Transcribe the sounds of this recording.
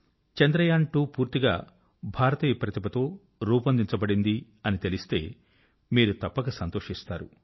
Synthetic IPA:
t͡ʃɐnd̪ɾɐjaːɳʈuːpuːɾt̪iɡa̰ː | bʱaːɾɐt̪iːjɐpɾɐt̪ipɐt̪o̞ː | ɾuːpɐnd̪iɲt͡ʃɐbɐɽind̪i | ɐnit̪e̞list̪e̞̰ː | miːɾut̪ɐpːɐkɐsɐnt̪o̞ːʂist̪a̰ːɾu

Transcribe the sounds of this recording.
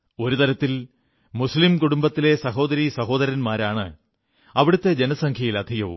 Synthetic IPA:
o̞ɾut̪ɐɾɐt̪ːil | muslimkuɽumbɐt̪ːile̞sɐɦo̞ːd̪ɐɾisɐɦo̞ːd̪ɐɾɐnmaːɾaːɳɨ̰ | ɐʋiɽut̪ːe̞d͡ʑenɐsɐŋkʰjɐjilɐd̪ʱiɣɐʋṵm

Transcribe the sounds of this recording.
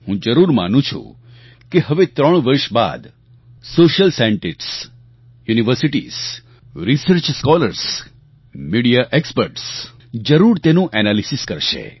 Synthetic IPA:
hũd͡ʒəɾuɾma̰nũt͡ʃʰṵ̃ | keɦəʋet̪ɾəɳ̃ʋəɾʃba̰d̪ | soʃəlsaɳʈiʈs | juniʋəɾsiʈḭs | ɾisəɾt͡ʃskɔləɾs | miɽijaʔekspəɾʈs | d͡ʒəɾuɾt̪enũʔɛnalisiskəɾʃḛ

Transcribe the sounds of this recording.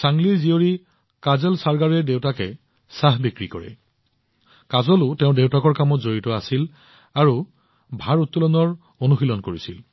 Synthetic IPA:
saŋlizioɹi | kazɛlsaɹɡaɹɛdewtakɛ | saɦbikɹikɔɹɛ̰ | kazɔlʊtɛʊ̃dewtakɔɹkamɔtzoɹitɔasil | aɹu | bʱaɹutːulɔnɔɹ | onuxilɔnkoɹisil

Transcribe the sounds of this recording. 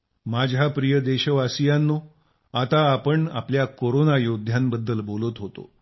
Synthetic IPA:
mad͡ʑʱapɾijəd̪eɕəʋasijanːo | at̪aːpəɳa̰pljakoɾonajod̪ʱjambəd̪ːəlbolət̪ɦot̪o̰

